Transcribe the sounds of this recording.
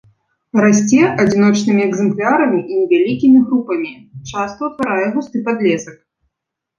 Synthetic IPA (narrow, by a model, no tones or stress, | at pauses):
ɾasʲt͡sʲɛʔad͡zʲin̪ɔt͡ʂnɨmʲiɛɡzɛmplʲaɾɐmʲiʔinʲɛvʲalʲikʲimʲiɣɾupɐmʲit͡ʂast̪ɐwt̪vaɾajɛɣust̪ɨpad̪lʲɛsɐk